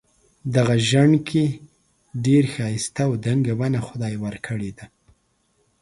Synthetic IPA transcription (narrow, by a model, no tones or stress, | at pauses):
d̪aɣaʒaɳkʰe | ɖeɾxɑjɪst̪awd̪aŋɡawanaxʊd̪ɑjwəɾkʰəɽed̪a